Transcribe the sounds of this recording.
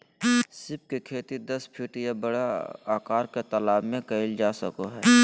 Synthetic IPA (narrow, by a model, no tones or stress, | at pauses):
sɪp̚kekʰeːt̪id̪ɐspʰɪʈjabəɽaaːkaːɾket̪əlaːbmẽkɐɪld͡ʒaːsəkoɦɛː